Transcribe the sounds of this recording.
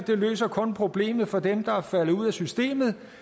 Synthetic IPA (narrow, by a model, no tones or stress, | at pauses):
d̥e̝lø̰ːsɐkʰɔ̽npʰʁo̝b̥le̝̰ːmð̞̩ˠfɒ̽d̥emd̥ɑ̈fæləuð̞̰ˠæsysd̥e̝̰ːmð̩ˠ